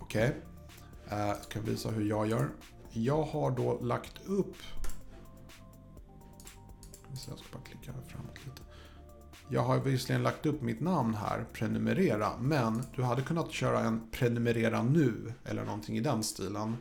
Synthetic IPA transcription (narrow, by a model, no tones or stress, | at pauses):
ɔkʰɛj | skʰanɪvḭːsa̰ɦɵɾjɑːɡjœːɾ | jɑːɡhaɖɔːlakt̪ʰɵpː | kʰaɪsɛjja̰skabɑːɾaklɪkːafɾa̰mːɔt̪ʰliːt̪ʰə̥ | jɑ̰ːɡɦaɾvɪslɪɡənlak̚t̪ɵpːmɪt̪namnɦæ̰ːɾpʰɾɛnɵmɛɾeːɾa̰mɛnd̪̥ɵɦad̪ːəkʰɵnːat̪ɕœːɾaɛnpʰɾɛnɵmɛɾeːɾanʉ̟ːɛ̰lːə̰ɳʔɔnt̪ʰɪŋɪd̪ɛnst̪iːlən